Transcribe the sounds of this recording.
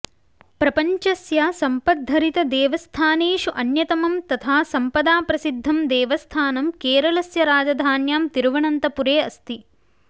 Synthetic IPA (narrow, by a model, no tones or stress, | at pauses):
pɾɐpɐɲt͡ʃɐsjaːsɐmpɐd̪̚ʱːɐɾit̪ɐd̪eːʋɐst̪ʰaːneːʃuʔɐnjɐt̪ɐmɐmt̪ɐt̪ʰaːsɐmpɐd̪aːpɾɐsid̪ʱːɐmd̪ɛːʋɐst̪ʰaːnɐmkeːɾɐlɐsjɐɾaːd͡ʒɐd̪ʱaːnjaːmt̪iɾʋɐɳɐnt̪ɐpuɾeːɐst̪i